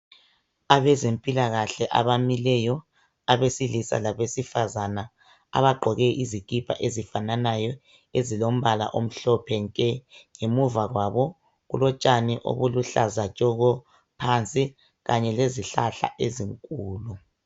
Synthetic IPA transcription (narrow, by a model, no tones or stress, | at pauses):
aβɛzempʼilaɣaɬɛʔa̰βamilɛjɔ | aβesilisa̰laβesifazana | a̰βaɡ͡ǃʱɔɣɛʔizikʼipʰʼa̰ʔezifananajɔ | ezilom̩βala̰ʔom̩ɬɔpʰɛŋkʼɛŋemuvaɣwaβɔ | ɣṵlɔt͡ʃʼaniʔo̰βuluɬazat͡ʃʼɔɣɔ | pʰant͡sʼi | ɣaɲɛleziɬaɬa̰ʔeziŋkʼuːlu